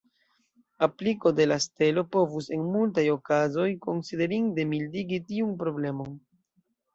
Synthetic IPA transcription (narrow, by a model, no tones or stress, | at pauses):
apliko̞de̞laste̞lo̞po̞vuse̞nmult̬ajo̞kazo̞jko̞nside̞ɾiŋde̞mildiɡitiunpɾo̞ble̞mo̞n